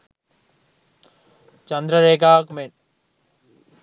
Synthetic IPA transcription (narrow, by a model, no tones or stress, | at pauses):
t͡ʃɐnd̪ɾəɾeːɡaːkmen